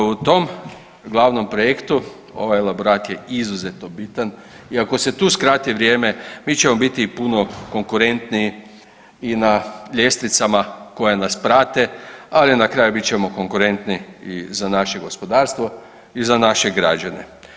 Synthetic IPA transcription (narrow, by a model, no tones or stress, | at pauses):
ut̪o̞m | ɡlˠaʋno̞mpɾoje̞kt̪u | o̞̰ʋajelˠaboɾaːt̪jeizuzet̪no̞bit̪an | iako̞se̞t̪uːskɾaːt̪iʋɾjeːme̞miːt͡ɕe̞mo̞bit̪iːpuno̞ko̞ŋkuɾe̞nt̪nii | inaʎe̞st̪nit̪samako̞janaspɾaːt̪e̞alinakɾaːjubitt͡ɕe̞mo̞ko̞ŋkuɾe̞nt̪niizanaʃe̞ɡo̞spo̞d̪aːɾst̪ʋo̞ | izanaʃe̞ɡɾa̰d͡ʒane̞̰